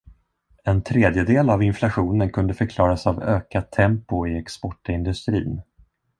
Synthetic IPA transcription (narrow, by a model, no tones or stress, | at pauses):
ɛnt̪ʰɾeːd̪jəd̪eːlavɪnflaɧuːnənkʰɵnd̪əfœɾkʰlɑːɾasavøːkat̪ʰːɛmpʊɪɛkspɔʈːɪnd̪ɵst̪ɾḭːn